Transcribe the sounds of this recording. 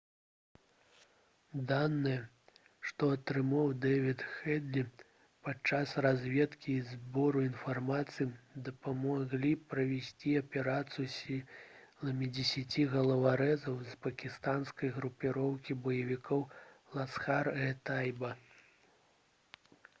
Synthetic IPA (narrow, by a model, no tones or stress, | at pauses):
d̪anːɨjɛ | ʂt̪ɔɐt̪ɾɨmawd̪ɛvʲit̪xɛd̪lʲi | pat͡ʂasrazʲvʲɛt̪kʲiːzbɔɾuinfarmat̪sɨjid̪ɐpamaɣlʲipɾɐvʲɛsʲt͡sʲiɐpʲɛɾat̪sɨjusʲilˠɐmʲid͡zʲɛsʲat͡sʲiɣɐlˠɐvaɾɛzɐwzpɐkʲist̪anskɐjɣɾupʲiɾɔwkʲibɐjɐvʲikɔwlˠasxarɣɛt̪ajbɐ